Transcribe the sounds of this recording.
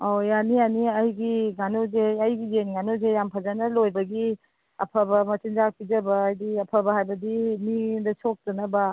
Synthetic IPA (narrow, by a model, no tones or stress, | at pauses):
ojanijaniɐjɡiɡanozeɐjɡijenɡanozejampʰɐzanɐlojbɐɡi | ɐpʰɐbɐmɐtind͡ʒak̚id͡ʒɐbɐːjdiɐpʰɐbɐɦajbɐdimidɐsok̚tɐnɐbɐ